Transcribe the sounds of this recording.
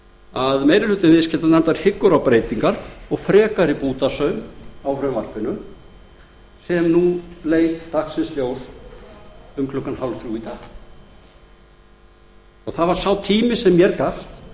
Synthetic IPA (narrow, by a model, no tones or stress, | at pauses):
aðmejɾɪlʏt̪ɪnvɪðscʰɛt̪anɛmt̪aɾ̥hɪkːʏɾawpɾeːjt̪iŋkaɾɔɣfɾɛːkaɾipuːt̪asœɥmawfɾœjmvar̥pɪnʏm | sɛmnuleːjt̪ːaksɪnsljoːws | ʏmkʰlʏkːanhawlfɾjuit̪ʰa | ɔɣθaðvaɾ̥sawt̪ʰiːmɪsɛmːjɛɾkaft̪